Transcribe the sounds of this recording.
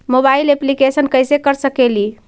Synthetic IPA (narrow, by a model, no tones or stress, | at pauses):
mobaileplikesənkəjsekəɾsəkeli